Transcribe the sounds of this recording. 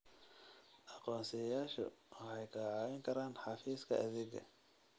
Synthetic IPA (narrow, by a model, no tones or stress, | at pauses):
ʔɑqɔːnsɛjaːʃɔ̰wɑħɑjkʰɐʕɑːwɪŋkʰɐɾaːnħɑfiːskʰɐʔɐðɪɡɐ̰